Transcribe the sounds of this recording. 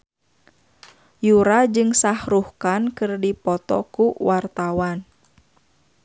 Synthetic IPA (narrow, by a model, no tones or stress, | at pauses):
juɾad͡ʒɨŋsahɾuhkankɨrdipɔt̪ɔ̰kuwart̪awan